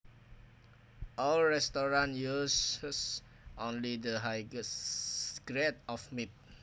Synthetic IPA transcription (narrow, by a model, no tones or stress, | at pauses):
ʔɔlɹɛstɔɹãnjuss | ʔõnlidəɦaj | ɡɹɛt̚ɔfmit̚